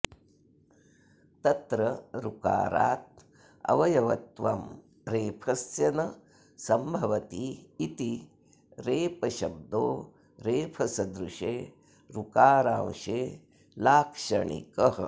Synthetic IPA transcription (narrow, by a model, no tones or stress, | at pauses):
t̪ɐt̪ɾɐɾuka̰ːɾa̰ːt̪̚ | ɐ̰ʋɐjɐʋɐt̪ʋɐm | ɾeːpʰɐsjɐnɐ | sɐmbʱɐʋɐt̪iːt̪i | ɾeːpɐʃɐb̚d̪oː | ɾeːpʰɐsɐd̪ɾuʂeː | ɾukaːɾãːwʃeː | laːkʂɐɳḭkɐɦɐ